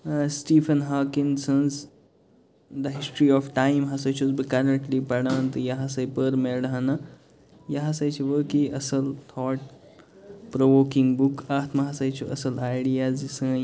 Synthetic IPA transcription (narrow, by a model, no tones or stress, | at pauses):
sʈiːfʰɐnɦaːkinsɐnz | d̪ɐɦisʈɾiɔːfʈaːjmɦɐsɐjt͡ʃʰuzbɨkɐɾɐɳʈlipɐɽãːnt̪ɨjɐɦɐsɐjpəɾmeɽɐɦɐnɐ | jɐɦɐsɐjt͡ʃʰuʋəːkiʔɐsɐlt̪ʰɔːʈ̚ | pɾoʋoːkĩŋɡbukaːt̪mɐɦɐsɐjt͡ʃʰuʔɐsɐlaːjɽijaːzd͡ʒisɐ̃ː